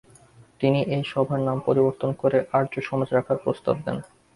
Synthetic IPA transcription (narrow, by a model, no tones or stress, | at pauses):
t̪iniʔejʃɔbʱaɾnampoɾiboɾt̪onkoɾeʔaɾd͡ʑoʃɔmad͡ʑɾakʰaɾpɾost̪a̰bd̪ḛn